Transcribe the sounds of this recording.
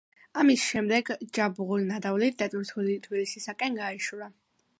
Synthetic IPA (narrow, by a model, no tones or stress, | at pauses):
amisʃɛmd̪ɛɡd͡ʒabʁulinad̪avlit̪̚ʰd̪at̪ʼuɾt̪ʰulit̪ʰbilisisakʼɛnɡaiʃuɾa